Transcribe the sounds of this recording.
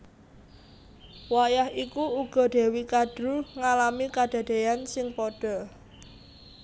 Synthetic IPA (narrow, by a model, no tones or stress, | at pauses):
wajahikuuɡ̥ɔ̤ɖ̪̥e̤wikad̥ɾuŋalamikad̪̥ä̤d̪̥e̤jansɪŋpɔɖ̥ɔ̤